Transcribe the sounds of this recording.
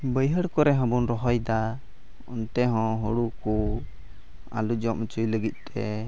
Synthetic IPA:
bəjɦəɽkɔɾɛɦə̃bunɾɔɦɔjd̪a | ɔnt̪ɛɦɔ̃ɦoɽuku | a̰lud͡ʒɔʔmət͡ʃujləɡit̪̚ˀt̪ɛ

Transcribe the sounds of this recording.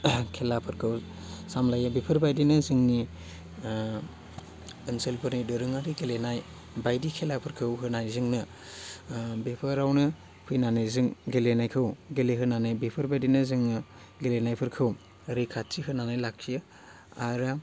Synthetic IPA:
kʰelapʰɯɾkʰɯw | samlajabepʰɯɾbajdinɯzɯŋni | ɯnsɯlpʰɯɾnidɯɾɯŋaɾiɡelenaj | bajdikʰelapʰɯɾkʰɯwɦɯnajzɯŋnɯ | bepʰɯɾawnɯ | pʰɯjnanajzɯŋɡelenajkʰɯwɡeleɦɯnanajbepʰɯɾbajdinɯzɯŋnɯ | ɡelenajpʰɯɾkʰɯw | ɾekʰatʰːiɦɯnanajlak̚ʰiɯ | aɾa

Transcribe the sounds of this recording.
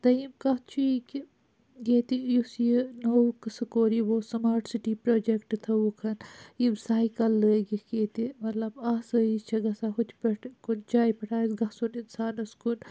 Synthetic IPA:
t̪ɐimkɐt͡ʃʰuiki | ɡeːt̪ijusjinoukɐsɐkoːɾiʋoːsɐmaːɾʈsiʈiːpɾoːd͡ʒekʈt̪ʰɐukʰɐnjibsaːikɐlːəːɡikeːt̪imɐt̪lɐbasəit͡ʃʰɐɡɐsaɦut̪ʰpɐʈkund͡ʒaːipɐʈʰaːisɡɐsuninsaːnɐskun

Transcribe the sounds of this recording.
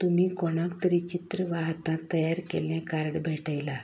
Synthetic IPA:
t̪um̤iːkoɽ̃ãkt̪əɾit͡ɕit̪ɾəʋaɦt̪ãt̪ːəjaɾkelãkaɾəɳbʱeʈəjla

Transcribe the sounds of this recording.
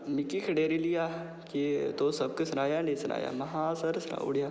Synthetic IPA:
mɪkikʰɐɽeːɾilijaː | kit̪oːsɐb̚kesɐnaːjaːnẽsɐna̰ːja̰ːmɐɦãːsɐɾsna̰ːṵɽijaː

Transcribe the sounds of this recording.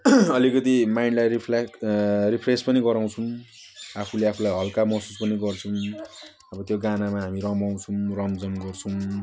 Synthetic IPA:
ʌlikʌt̪imajɳɖlajripʰeripʰrespʌniɡʌɾãw̃t͡sʰuw̃ | apʰuleapʰulajɦʌlkamʌsuspʌniɡʌrt͡sʰʌw̃ | ʌbʌt̪joɡanamaɦamiɾʌmbaw̃t͡sʰuwrʌmd͡zʌmɡʌrt͡sʰʌw̃

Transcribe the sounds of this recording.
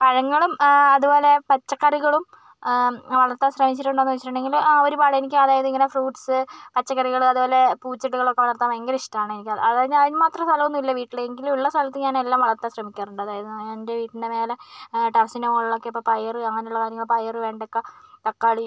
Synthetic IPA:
pɐɻɐŋːɐɭumɐðubo̞ːle̞pɐt͡ɕːɐkːɐriɣɐɭum | ʋɐɭɐrt̪ːaɕrɐmit͡ɕːiʈːuɳɖenːʋɐt͡ɕːiʈːuɳɖe̞ŋɡilaoɾupaːɽɐenikʲːɨɐðaːjɐðɨiŋːɐne̞fruːʈsɨpɐt͡ɕːɐkːɐriɣɐɭumɐðubo̞ːlepuːt͡ɕːɐʈːuɣɐɭokːeʋɐnɐrt̪ːaːmeŋɡɐɾiʂʈaːɳɨenikʲːɐɐðaɲɐðinmaːt̪rɐmst̪ʰɐlɐʋunːuilːɐʋiːʈːiɭeeŋɡilumuɭːɐst̪ʰɐlɐt̪ːɨɲaːne̞lːaːmʋɐɭɐrt̪ːaɕrɐmikʲːaːruɳɖɨɐðaːjɐðɨndeʋiːʈːindemeːleʈɐrsinɐmɭːokːeipːopɐjɐrɨɐŋːɐneuɭːɐkaːɾjɐŋːɐɭpɐjɐrɨʋe̞ːɳɖokːet̪ɐkːaːɭi

